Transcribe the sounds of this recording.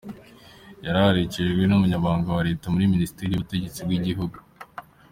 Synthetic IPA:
jaɾahaɾiceɡwe̞numuɲaβaːŋɡawaɾe̞ːtamuɾiminisi̥teɾijuβute̞ɟe̞t͡sibɡiɟiɦuɡu

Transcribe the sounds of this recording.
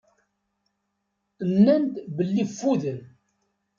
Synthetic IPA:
ənːænt̪bəlːifːuðən

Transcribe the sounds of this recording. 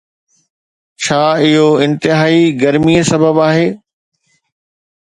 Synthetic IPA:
t͡ɕʰaːɪɦoɪ̃nt̪ɪɦaːiɡɐɾmiəsɐbəbaːɦeː

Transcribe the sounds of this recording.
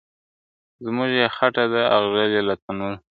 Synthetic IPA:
zmʊʒjexaʈad̪aaɣzaljelat̪anu

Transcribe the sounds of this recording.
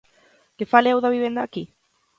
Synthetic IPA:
kefaleawðaβiβend̪aki

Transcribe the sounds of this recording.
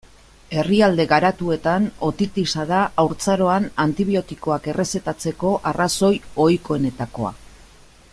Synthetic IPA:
e̞riald̪e̞ɣaɾat̪ue̞t̪ano̞t̪it̪isaðaːwɾt͡saɾo̞anant̪iβ̞io̞t̪iko̞ake̞re̞se̞t̪at͡se̞ko̞ʔaraso̞jo̞jko̞e̞ne̞t̪ako̞̰a̰

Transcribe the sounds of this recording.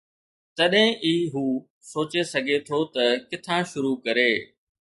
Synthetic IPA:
t̪ɐɗɦɪ̃ʔiːɦuː | soːt͡ɕesɐɡʱet̪ʰot̪ɐkɪt̪ʰãʃʊɾukɐɾeː

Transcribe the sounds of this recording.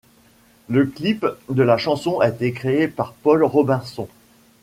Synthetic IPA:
ləklipd̪əlaʃɑ̃sɔ̃aet̪ekχeːpaʁpɔlʁɔbɛ̃sɔ̃

